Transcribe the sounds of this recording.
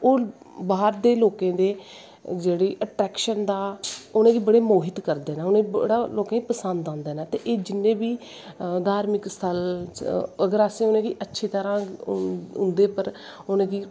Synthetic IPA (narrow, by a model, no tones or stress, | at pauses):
oː | baːɾd̪eːloːkẽːd̪eː | d͡ʒeːɽeːʔəʈɾɛːkʃənd̪aːʊnẽːɡiːbəɽeːmoːɦɪt̪kəɾd̪eːnãːʊnẽːibəɽaːloːkẽːipəsənd̪ãːnd̪eːnaːt̪eːʔeːd͡ʒɪnːẽːbiː | d̪aːɾmɪkst̪ʰəl | əɡəɾaːsẽːʊnẽːɡiːʔətːʃʰiːt̪əɾãː | ʊnd̪eːpəɾʊnẽːɡiː